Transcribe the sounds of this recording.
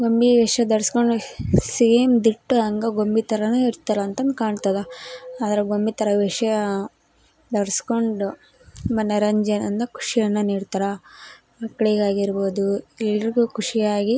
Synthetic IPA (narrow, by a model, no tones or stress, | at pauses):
ɡombiʋiʂɐd̪ɐɾskoɳɖusimd̪iʈːuɐŋɡɐɡombit̪ɐɾɐnuiɾt̪ɐɾɐːnt̪ɐnd̪kaːɳɖt̪ɐd̪ɐaːd̪ɐɾeɡombit̪ɐɾɐʋiʂjɐ | d̪ɐɾɐsko̞ɳɖu | mɐnːɐɾɐɲd͡ʒɐnɐnd̪ɐkʰu̥ʂijɐnːɐniːɽt̪aɾɐ | mɐkːɐɭiɡaːɡiɾboːd̪uilːɾiɡuːkʰuʂijaːɡi